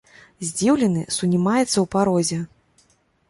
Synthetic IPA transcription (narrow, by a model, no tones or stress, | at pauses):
zʲd͡zʲiwlʲɛnɨsunʲimajɛt̪sːɐwpaɾɔzʲɛ